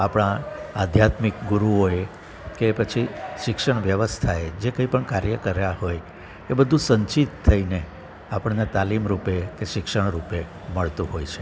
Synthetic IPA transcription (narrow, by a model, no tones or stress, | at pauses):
apɽ̃ãad̪ʱjat̪mikɡuɾuoe | kepət͡ʃʰiʃɪkʂəɳʋjəʋəst̪ʰaed͡ʒekə̃ĩpəɳkaɾjəkəɾjaɦoj | ebəd̪ʱũsəɲt͡ʃit̪ʰːəine | apəɳnet̪alimɾupekeʃɪkʃəɳ̃ɾupe | məɭt̪ũɦojt͡ʃʰe